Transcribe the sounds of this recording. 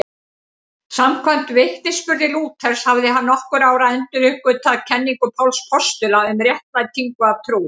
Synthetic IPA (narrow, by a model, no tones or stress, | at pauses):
samkʰvam̥t̪vɪht̪nɪspʏɾðɪluːt̪ʰɛɾ̥shavðɪɦanːɔhkʏɾaːwɾaɛnt̪ʏɾʏhkʏt̪ʰaðcʰɛnːiŋkʏpʰawlspʰɔst̪ʏlaʏmɾjɛht̪lat̪ʰiŋkʏavt̪ʰɾuː